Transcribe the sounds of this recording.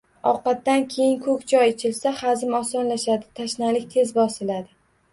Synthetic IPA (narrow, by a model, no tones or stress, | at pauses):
ɒ̰qɑt̪ːankʲʰe̞jɪŋkʰɵkʲt͡ʃʰɒjet͡ʃʰɪlsahazɪmɒsɒnlaʃad̪ɪt̪ʰaʃnalɪk̚ʲt̪ʰe̞zbɒsɪlad̪ɪ